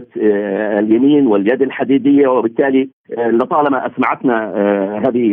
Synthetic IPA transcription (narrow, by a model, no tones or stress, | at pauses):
t̪ɪljamiːnwɪljad̪alħad̪iːd̪ɪjːawɪbɪt̪ːaːli | lːɪt̪ˤɑːlɑmaʔasmaʕat̪naɦaːðɪ